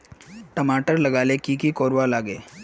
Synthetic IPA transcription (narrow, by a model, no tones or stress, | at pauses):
ʈəmaʈəɾləɡalekikiːkoɾʋalaɡe